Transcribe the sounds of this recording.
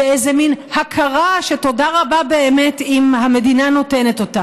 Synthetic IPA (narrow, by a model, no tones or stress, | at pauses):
eezeminhakʰaʁaʃe̞to̞daʁababe̞eme̞timhame̞dinano̞te̞ne̞to̞ta